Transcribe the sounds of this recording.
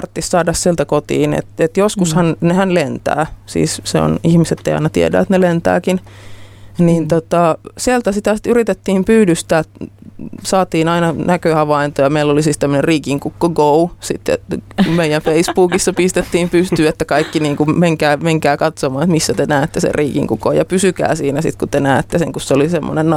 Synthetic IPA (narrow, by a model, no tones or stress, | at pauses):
rt̪ːissɑːdɑssielt̪ækot̪ḭːnḛt̪et̪joskushɑnnehænlent̪æ̰ːsḭːsseo̰nihmiset̪ːeiɑ̰inɑt̪ḭḛdæ̰ːet̪nelent̪æ̰ːkin | niːnt̪ot̪ɑsielt̪æsit̪æsi̥t̪yrit̪et̪ːiːmpyːdyst̪æːt̪ | sɑːt̪iːnɑinɑnækøhɑʋɑint̪ojɑmeilːolisiːst̪æmːøneriːkiŋkukːoɡousit̪ːḛmeijænfeispuːkisːɑpist̪et̪ːiːmpyst̪yːet̪ːækɑikːiniːŋkumeŋkæːmeŋkæːkɑt̪somɑːnet̪misːæt̪enæːet̪ːesḛriːkḭŋkuko̰ːjɑpysykæ̰ːsiːnæsḭt̪kut̪enæːt̪ːeseŋkusseolisemːo̰nen